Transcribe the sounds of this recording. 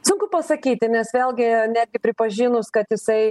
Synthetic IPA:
sʊŋkʊpɐsɐkʲiːt̪ʲɪnʲɛsʋʲeːlˠʲɡʲɪnʲæːd̪ʲɡʲɪpʲɾʲɪpɐʒʲiːnʊskɐt̪jɪsɐɪ

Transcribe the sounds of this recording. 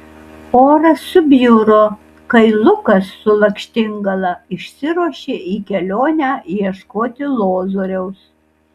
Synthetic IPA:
oːɾɐsːʊbʲjuːɾoː | kɐɪlˠʊkɐsːʊlˠɐkʃʲt̪ʲɪŋɡɐlˠɐɪʃʲsʲɪɾuɔʃʲeːʔiːkʲɛlʲoːnʲæːjɛʃkoːt̪ʲɪlˠoːzoːɾʲɛʊs

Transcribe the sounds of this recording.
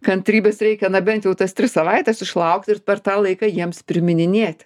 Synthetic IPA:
kɐnt̪ʲɾʲiːbʲɛsɾʲɛɪkʲɛnɐbʲɛnʲt̪ʲjɛʊt̪ɐst̪ʲɾʲɪsɐʋɐɪt̪ʲɛsɪʃlˠɐʊkt̪ɪrpʲɛrt̪ɑːlˠɐɪkɑjiɛmspʲɾʲɪmʲɪnʲɪnʲeːt̪ʲ

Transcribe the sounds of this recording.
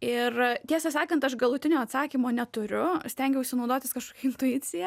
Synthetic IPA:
ɪrt̪ʲiɛsʲɐsɑːkɐnt̪ɐʃɡɐlˠʊt̪ʲɪnʲoːɐt̪sɑːkʲiːmoːnʲɛt̪ʊɾʲʊsʲt̪ʲɛŋʲɡʲɛʊʃʲsʲɪnɒʊd̪oːt̪ʲɪskɐʃkoːkʲɛɪnt̪ʊjɪt̪sʲɪjɛ

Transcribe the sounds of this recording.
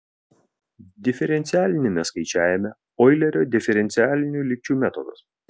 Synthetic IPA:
d̪ʲɪfʲɛɾʲɛnʲt̪sʲɪæːlʲɪnʲemʲɛskɐɪt͡ʃʲæːjɛmʲɛ | ɔɪlʲɛɾʲoːd̪ʲɪfʲɛɾʲɛnʲt̪sʲɪæːlʲɪnʲuːlʲɪk̚ʲt͡ʃʲuːmʲæt̪ɔd̪ɐs

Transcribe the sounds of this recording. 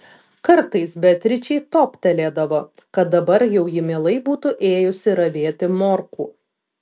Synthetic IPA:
kɐɾt̪ɐɪsbʲɛt̪ʲɾʲɪt͡ʃʲɛɪt̪oːpʲt̪ʲɛlʲeːd̪ɐʋoː | kɐt̪̚d̪ɐbɐɾjɛʊjɪmʲeːlˠɐɪbuːt̪ʊʔeːjʊsʲɪɾɐʋʲeːt̪ʲɪmoːɾkṵː

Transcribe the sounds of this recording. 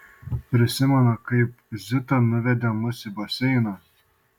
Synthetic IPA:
pʲɾʲɪsʲɪmʲɛnɐkɐɪp | zʲɪt̪ɐnʊʋʲɛd̪ʲɛmʊsʲibɐsʲɛɪnɐ

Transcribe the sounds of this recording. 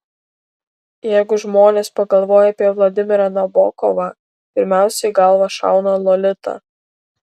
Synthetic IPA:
jæɪɡʊʒmoːnʲeːspɐɡɐlˠʋoːjɛɐpʲiɛʋlˠɐd̪ʲɪmʲɪɾɐnɐbɔ̰ːkɔʋɑ | pʲɪɾʲmʲæˑʊsʲɛɪɡɐlˠʋɐʃɑ̰ˑʊnɐlˠɔlʲɪt̪ɐ̰

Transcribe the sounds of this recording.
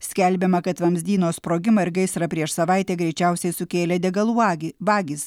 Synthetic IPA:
sʲkʲɛlʲbʲɛmɐkɐt̪ʋɐmʲzʲd̪ʲiːnoːspɾoːɡʲɪmɐɪɾɡɐɪsɾɐpʲɾʲiɛʃsɐʋɐɪt̪ʲɛːɡɾʲɛɪt͡ʃʲɛˑʊsʲɛɪsʊkʲeːlʲɛd̪ʲɛɡɐlˠuʋɑːɡʲiːs

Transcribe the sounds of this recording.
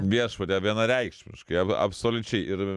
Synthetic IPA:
ʋʲiɛʃpɐt̪ʲɛʋʲiɛnɐɾʲɛɪkʃʲmʲɪ̰ʃkɐɪɐɐ̰psoːlʲʊt͡ʃʲɛɪʔɪɾ

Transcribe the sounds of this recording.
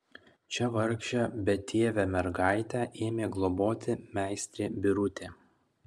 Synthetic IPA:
t͡ʃʲɛʋɐɾkʃʲɛbʲɛt̪ʲʰeːʋʲɛmʲɛɾɡɑˑɪt̪ʲæʔeːmʲeːɡlˠɔboːt̪ʲɪmʲæˑɪsʲt̪ʲɾʲeːbʲɪɾʊt̪ʲeː

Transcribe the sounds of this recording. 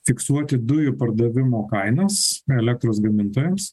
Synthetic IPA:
fʲɪksuɔt̪ʲɪd̪ʊjʊpɐɾd̪ɐʋʲɪmoːkɐɪnɐsɛlʲɛk̚t̪ɾoːsɡɐmʲɪnt̪oːjɛms

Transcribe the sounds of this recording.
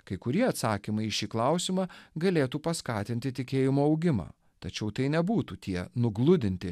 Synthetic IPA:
kɐɪkʊɾʲiɛɐt̪sɑːkʲɪmɐɪɪʃʲiːklˠɐˑʊsʲɪmɑːɡɐlʲeːt̪uːpɐskɑːt̪ʲɪnʲt̪ʲɪt̪ʲɪkʲeːjɪmoːɐʊɡʲɪmɑ̰ː | t̪ɐt͡ʃʲɛʊt̪ɐɪnʲɛbuːt̪uːt̪ʲiɛnʊɡlˠʊd̪ʲɪnʲt̪ʲɪ

